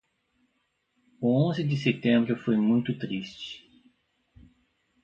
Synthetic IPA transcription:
ʊõzɪd̪ɪset̪ẽmbɾʊfojmũj̃t̪ʊt̪ɾist͡ʃɪ̥

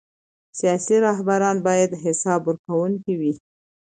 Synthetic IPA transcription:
sijɑsiɾɑɦbaɾɑnbɑjad̪ɦɪsɑbəɾkawuŋkiwi

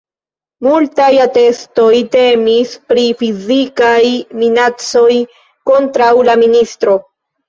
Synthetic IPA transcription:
multajate̞sto̞jte̞mispɾifizikajminat͡so̞j | ko̞ntɾawlaministɾo̞

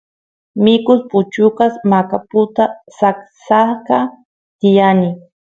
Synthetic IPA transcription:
mɪkʊspʊt͡ʃʊkasmakapʊt̪asaksaka | t̪ɪjanɪ

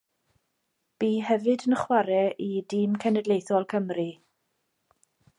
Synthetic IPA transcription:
b̥iːɦɛvɨdənəχwaɾɛʔidiːmkʰɛnɛdlˠejθɔlˠkʰəmri

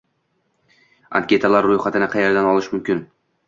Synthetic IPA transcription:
a̰nkʲʰe̞t̪ʰalaɾːʊjχat̪ʰɪnɪqʰɑjeɾd̪anɒlˠɪʃmʊmkʲɪn

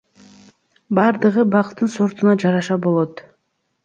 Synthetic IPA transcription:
bɑɾd̪ɯʁɯbɑqt̪ːɯnso̞ɾt̪unɑd͡ʒɑɾɑʃɑbo̞lˠo̞t̪

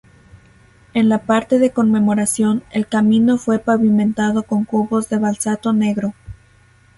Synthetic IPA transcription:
e̞nlapaɾt̪e̞ðe̞ko̞nme̞mo̞ɾasjo̞nelkamĩno̞fwe̞paβimẽ̞nt̪aðo̞ko̞ŋkuβo̞zðe̞βalsat̪o̞ne̞ɣɾo̞

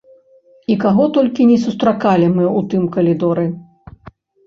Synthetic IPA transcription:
ikaɣɔt̪ɔlʲkʲinʲɛsust̪ɾakalʲimɨut̪ɨmkɐlʲid̪ɔɾɨ

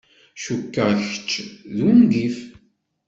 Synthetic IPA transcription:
ʃukːəʁçə̥t͡ʃːðumɡif

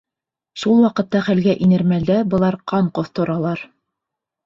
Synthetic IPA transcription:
ʃulˠwɑqɤ̆t̪ːɑχælɡæʔinɘ̆ɾmæld̪æbɤ̆lˠɑɾqɑɴqoθt̪ŏɾɑlˠɑɾ

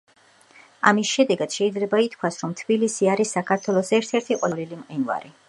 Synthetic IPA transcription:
a̰misʃɛd̪ɛɡad̪̥ʃɛid̪zlɛbait̪ʰkʰwasɾɔmt̪ʰbilisiaɾisːakʰaɾt̪ʰwɛlˠɔsɛɾt̪ʰɛɾt̪ʰiqʼwlilimqʼinva̰ɾi

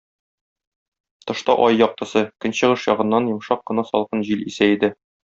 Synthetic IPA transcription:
t̪ɤ̆ʃt̪ɑʔɒjːɒq̚t̪ɤ̆sɤkɵ̆nɕɤ̆ʁɤʃjɒʁɤ̆nːɑnjɤ̆mʃɑqːɤ̆nɑsɒ̰lˠʁɤnʑilisæid̪ɘ

